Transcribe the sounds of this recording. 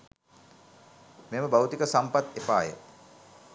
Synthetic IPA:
meməbawt̪ikəsampat̪epaːjə̰

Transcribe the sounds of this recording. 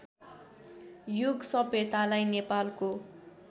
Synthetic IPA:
juɡsʌbʱjet̪alajnepalko

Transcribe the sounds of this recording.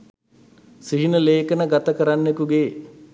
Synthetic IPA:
siɦinəleːkənəɡat̪əkəɾanːekuɡeː

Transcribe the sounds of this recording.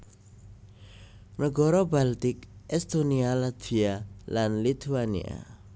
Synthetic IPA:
nəɡɔɾɔbalt̪ikɛst̪onialat̪ʰwialanlit̪ʰuanḭa̰

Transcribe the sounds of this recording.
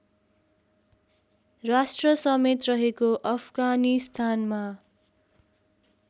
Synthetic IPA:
rasʈrʌsʌmet̪rʌɦekoʔʌpʰɡanist̪ʰanma

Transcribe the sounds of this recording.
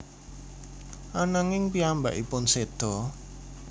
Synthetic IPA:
ʔanaŋɪŋpiamba̰ʔḭpʊnsed̪̥ɔ

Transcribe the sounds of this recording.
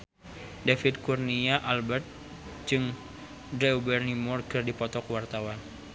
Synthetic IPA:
dafid̪̚kurniaʔalbɛrt̪̚ | d͡ʒɨŋ | dɾɛubɛrnimɔrkɨrdipɔt̪ɔkuwart̪awan

